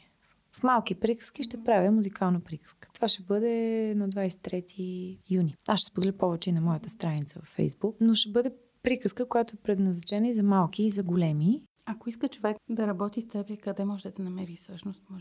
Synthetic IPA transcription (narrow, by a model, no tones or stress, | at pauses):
fmalˠkipɾikə̥sk̟ʲiʃt̪ɛpɾavʲəmuzikalˠnəpɾikə̥skə̥t̪o̥vaʃɛbɤd̪ɛnɐd̪vajsɛ̥t̪ːɾɛt̪ʰijuniasʃːɛspod̪ɛlʲəpɔvɛt͡ʃɛinɐmɔjət̪əst̪ɾanit̪səvɐfːɛ̰jzbuknoʃɛbɤd̪ɛ | pɾikəskəkojat̪oɛpɾɛd̪nɐznɐt͡ʃɛnəizɐmalˠkiːzɐɡolɛmi | ɐkoiskət͡ʃovɛkd̪ɐɾɐbɔt̪ist̪ɛbɛkɐd̪ɛmɔʒɛd̪ɐnɐmɛɾisəʃnost̪mɔʒ